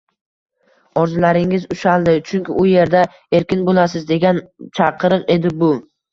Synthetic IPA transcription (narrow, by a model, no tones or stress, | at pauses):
ɒɾzɪlaɾɪŋɪzʊʃalˠd̪ɪt͡ʃʰʊŋkʲɪʔʊje̞ɾd̪a | e̞ɾkʲɪnbolasɪzd̪e̞ɡʲant͡ʃʰɑqʰɨɾɨqe̞d̪ɪbʊ